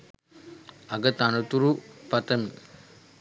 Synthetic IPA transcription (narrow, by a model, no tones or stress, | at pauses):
ɐɡɐt̪anɐt̪uɾupɐt̪ɐm